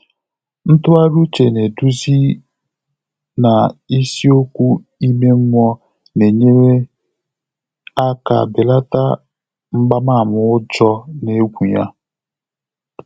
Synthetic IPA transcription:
n̩˦tʊ˦a˦ɾu˦t͡ʃe˨ne˨du˦zi˦ | na˨i˦si˦o˦kʷu˦ | i˦me˦ŋ̩˦mʷɔ˦ | ne˨ɲe˦ɾe˦ | a˦ka̰˨bɪ˨la˦ta˦ | ŋ͡m̩˦ɡ͡ba˦ma˦˨mʊ˨ʊ˦d͡ʒɔ˦ne˦ɡʷu˨ja˦

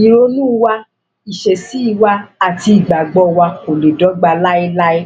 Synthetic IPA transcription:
i˨ɾo˧˦nũ˦wa˧ | i˨ʃe˨si˨˦i˦˨wa˧a˨ti˧i˨ɡ͡ba˨ɡ͡bɔ˧˦wa˧ko˨le˨dɔ˨˦ɡ͡ba˧la˦i˦la˦e˦

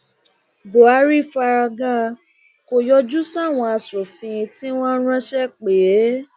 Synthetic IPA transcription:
bo˨a˨˧˦ɾi˦˨fa˧ɾa˧ɡa˦ | ko˧jɔ˦d͡ʒu˦sa˦˨w̃ɔ̃˧a˧so˨fĩ˧ti˦w̃ɔ̃˦ɾ̃ã˦ʃɛ˦k͡pe˨˦

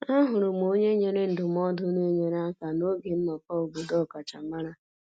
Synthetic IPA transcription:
a˦ɦʊ˨ɾʊ˨m˨o˦ɲe˦ɲe˦ɾe˦n̩˨dʊ˨m˦ɔ˦dʊ˦ne˦ɲe˨ɾa˦ka˨no˦ɡe˨m̩˦mɔ˨kɔ˦o˨bo˨dɔ˦˨ka˨t͡ʃa˨ma˦ɾa˦

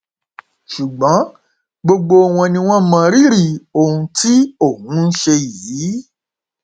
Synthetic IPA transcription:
ʃu˨ɡ͡bɔ̃˨˦ | ɡ͡bo˧ɡ͡bo˧˦˨w̃ɔ̃˧nĩ˧w̃ɔ̃˦mã˧ɾi˦ɾi˦˨o˨ũ˧ti˦o˦˨hũ˨˦n̩˦ʃe˧ji˨˦

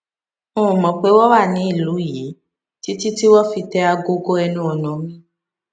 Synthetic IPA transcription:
õ˦˨mɔ̃˨k͡pe˨˦wɔ˦wa˦˨nĩ˨˦i˦˨lu˨˦ji˨˦ | ti˦ti˦ti˦wɔ˦fi˧tɛ˦a˧ɡo˦ɡo˦ɛ˧nũ˦ɔ˧nɔ̃˨˦mĩ˦

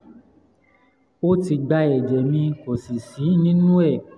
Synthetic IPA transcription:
o˦ti˧ɡ͡ba˧˦ɛ˨d͡ʒɛ˨mĩ˧ko˨si˨si˨˦nĩ˦nũ˦ɛ˦˨

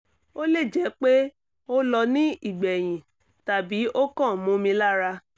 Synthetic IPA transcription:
o˦le˦˨d͡ʒɛ˨˦k͡pe˦ | o˦lɔ˧nĩ˦i˦˨ɡ͡bɛ˨j̃ĩ˨ | ta˨bi˨˦ʔo˦kɔ̃˦˨mũ˧˦mĩ˧la˦ɾa˧

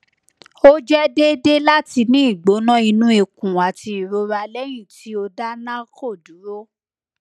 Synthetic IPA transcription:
o˦d͡ʒɛ˦de˦de˦la˦ti˧nĩ˦i˦˨ɡ͡bo˨˦nã˦i˧nũ˦i˧kũ˨a˨ti˧i˨ɾo˧ɾa˧lɛ˦j̃ĩ˦˨ti˨˦o˧da˦nã˦ko˦˨du˨˦ɾo˦

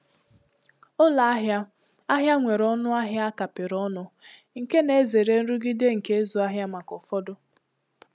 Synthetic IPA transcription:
ʊ˦la˨a˦ɦja˦ | a˦ɦja˦ŋʷe˨ɾɔ˦nʊ˦a˦ɦja˦a˦ka˨pɪ˨ɾɔ˦nʊ˦ | ŋ̩˨ke˦ne˨e˦ze˨ɾe˦n̩˦ɾu˦ɡɪ˦de˦ŋ̩˨ke˦zu˨a˦ɦja˦ma˨kɔ˨fɔ˦dʊ˦

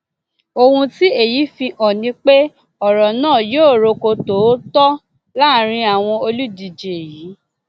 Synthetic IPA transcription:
o˧hũ˧ti˦e˦˨ji˨˦fĩ˧ʔɔ˨nĩ˧˦k͡pe˦ | ɔ˨ɾɔ˨nãː˦˨joː˦˨ɾo˧ko˧to˨˦tɔ˦ | la˦ɾ̃ĩ˧a˨w̃ɔ̃˧o˧lu˦di˧d͡ʒe˧e˨ji˨˦

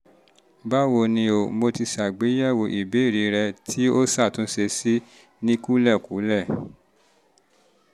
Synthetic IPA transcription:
ba˦wo˧nĩ˧o˨˦mo˧ti˧ʃa˨ɡ͡be˨˦jɛ˦˨wo˧ʔi˨be˨˦i˦˨ɾi˨˦ɾɛ˧tʰi˦o˦sa˦˨tũ˨˦ʃe˧si˦ | nĩ˦ku˦lɛ˦˨ku˨˦lɛ˦˨

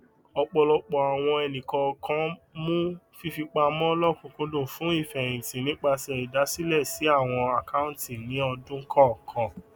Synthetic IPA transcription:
ɔ˧k͡pɔ˧lɔ˧k͡pɔ˨a˨w̃ɔ̃˧ɛ˧nĩ˨kɔ˧kʰã˦mũ˦ | fi˦fi˧k͡pa˧mɔ̃˦lɔ˦˨kũ˧kũ˦dũ˦˨fũ˨˦i˦˨fɛ̃˨ĩ˨tĩ˨nĩ˨˦k͡pa˧sɛ˧i˨da˨˦si˦lɛ˦˨si˨˦a˦˨w̃ɔ̃˧a˨ka˦ũ˦tĩ˨nĩ˨˦ɔ˧dũ˦kʰɔ̃˦˨kʰɔ̃˨˧

